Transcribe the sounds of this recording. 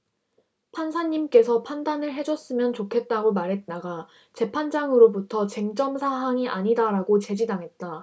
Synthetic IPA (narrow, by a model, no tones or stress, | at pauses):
pʰansʰaɲːimk͈e̞sʰʌpʰandanɯɭɦe̞d͡ʑʌs͈ɯmjʌnt͡ɕokʰe̞t̚t͈aɡomaɾɦe̞t̚t͈aɡa | t͡ɕe̞pʰand͡ʑaŋɯɾobutʰʌt͡ɕe̞ŋt͡ɕ͈ʌmsʰaɦaŋiʔaɲidaɾaɡot͡ɕe̞d͡ʑidaŋɦe̞t̚t͈a